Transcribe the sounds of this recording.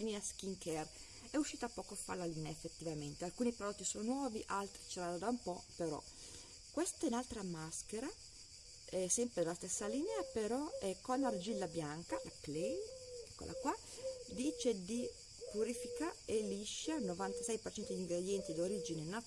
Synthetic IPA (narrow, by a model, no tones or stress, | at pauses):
lineaskiŋkɛr | ɛuʃːiːt̪aːpːɔːkoafːa̰ɾlaliːneaefːet̪ːivament̪ealkuːnipɾod̪ɔt̪ːisoːnonwɔːviʔalt̪ɾit͡ʃelad̪ad̪aumpɔpeɾɔ̰ | kːwest̪ainalt̪ɾamaskeɾa | ɛsɛmpɾed̪elast̪esːalineapeɾɔɛkonlard͡ʒilːabjaŋkalaklekːḛla̰kwa | d̪iːt͡ʃed̪i | puɾifikaeliʃːanovant̪asɛjpert͡ʃɛnt̪od̪iŋɡɾed̪jɛnt̪id̪oɾid͡ʒinena